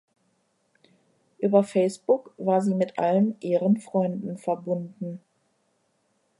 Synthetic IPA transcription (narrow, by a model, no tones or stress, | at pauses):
ʔyːbɐfɛɪsb̥ʊkv̥aːɐziːmɪtʔa̰lənʔiːʁənfʁ̥ɔʏndn̩fɛɐbʊndn̩